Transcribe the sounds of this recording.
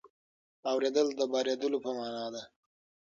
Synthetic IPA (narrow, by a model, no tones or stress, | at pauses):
awɾed̪əld̪əbɑɾed̪əlopəmɑːnɑd̪a